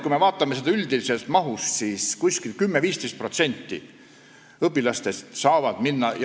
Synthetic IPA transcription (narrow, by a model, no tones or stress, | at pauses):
kuime̞vɑːt̪ːˑɑmesed̪ɑyld̪̥ilise̞lt̪mɑɦust̪siːskusʲkilkymːeviːst̪e̞jst̪̚prot̪se̞nʲt̪ːḭ | ɤpːˑilɑst̪e̞st̪sɑːvɑd̪̥minːɑj